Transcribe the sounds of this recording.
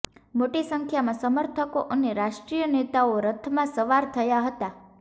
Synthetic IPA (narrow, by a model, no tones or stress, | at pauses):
moʈisəŋkʰjamãsəməɾt̪ʰəkoʔəneɾaʃʈɾijənet̪aoɾət̪ʰːəmãsəʋaɾt̪ʰəjaɦət̪a